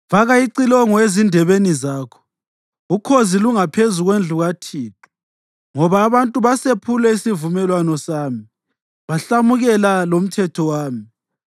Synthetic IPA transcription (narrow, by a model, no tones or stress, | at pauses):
vaɣajiǀilɔŋɔezindʱɛβenizaːkʰɔ̥ | ukʰoziluŋapʰezuɣwend͡ɮʱuɣatʰiːtu̥ | ŋɔβaːβantʼuβasepʰulɛisivumɛlwanɔsaːmi | βaɬamuɣɛlalom̩tʰɛtʰɔwaːmi